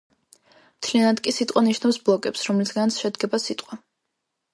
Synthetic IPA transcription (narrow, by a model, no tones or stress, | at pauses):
mt̪ʰlianad̪kʼisit̪ʼwaniʃnafsblˠɔkʼɛpsɾɔmlisɡant̪sʃɛd̪ɡɛbasit̪ʼqʼwa